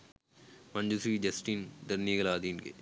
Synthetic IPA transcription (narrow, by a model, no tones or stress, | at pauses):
mɐ̃nd͡ʒusɾiːd͡ʒɐsʈiːnd̪ɐɾnieɡɐlaːd̪iːnkḛ